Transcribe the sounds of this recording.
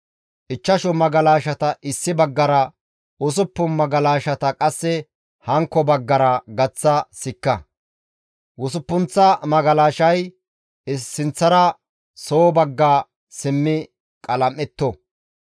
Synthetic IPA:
ʔɪt͡ʃːɐʃɔmɐɡɐlaːʃɐt̪ɐʔɪsːɪbɐɡːɐɾɐ | wʊs̬ʊpːʊnmɐɡɐlaːʃɐt̪ɐkʼɐsːɛ | hɐŋkːɔbɐɡːɐɾɐɡɐt͡sːɐsɪkːɐ | wʊsʊpːʊnt͡sːɐmɐɡɐlaːʃɐj | ɪsːɪnt͡sːɐɾɐ | soːbɐɡːaː | sɪmːɪ | kʼɐlɐmːɛt̪ːɔ

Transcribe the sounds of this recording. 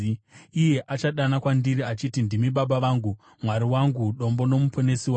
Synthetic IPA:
ije̞ʔat͡ʃaɗanakwandiriat͡ʃitindimiɓaɓaʋaːŋɡu | mwaɾiwaŋɡuɗo̞mbo̞no̞mupʰone̞siwa

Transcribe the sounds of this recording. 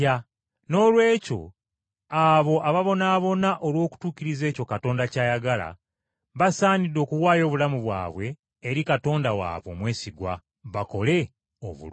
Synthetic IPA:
a | no̞ːlwe̞ːco̞̰ | aβo̞ʔaβaβo̞naːβo̞naʔo̞lwo̞ːku̥tuːciɾize̞ːco̞kato̞ːndacaːjaɡala̰ | βasaːnido̞ːkuwaːjo̞ːβulamuβwa̰ːβwe̞ː | ɾikato̞ːndawa̰ːβwo̞mwe̞ːsiɡwa | βako̞le̞ | o̰βṵ

